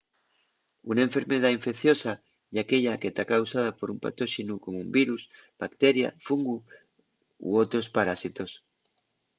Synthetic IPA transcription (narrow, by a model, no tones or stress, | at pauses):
unaẽɱfeɾmeð̞aiɱfekθjosa | iakeʎaket̪akawsað̞apoɾumpa̰t̪oʃinukomoumbiɾusb̥akt̪eɾja̰fuŋɡu | ṵowt̪ɾospaɾasit̪os